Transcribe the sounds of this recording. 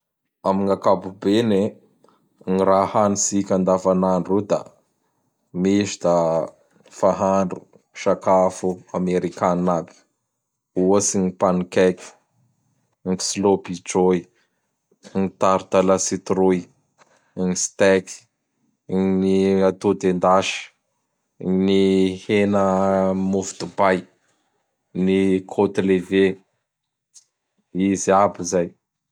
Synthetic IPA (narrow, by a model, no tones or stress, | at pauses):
amiŋakabubene | ŋiɾahanisikʲand̪avanaɳɖ͡ʐud̪a̰ | meʃid̪a | faɦaɳɖ͡ʐu | ʃakafuameɾikanabi̥ | uosiɲipanikɛki̥ | ŋislobid͡ʒoj | nit̪aɾud̪alasit̪ɾuj | ŋist̪ɛki̥ | niat̪ud̪end̪aʃə̥ | nihenəmuvid̪ubaj | nikʰot̪leve | izabizaj